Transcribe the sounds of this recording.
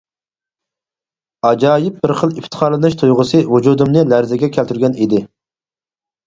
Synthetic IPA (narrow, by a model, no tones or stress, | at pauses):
ɑd͡ʒɑːjɪp̚bɪɾχəlˠift̪ʰə̥χʰɑɾlˠɨnɨʃt̪ʰujʁʊsɨvud͡ʒud̪umnɨlæɾzɪɡʲɛkʲʰælt̪ʰyɾɡʲɛnid̪ɪ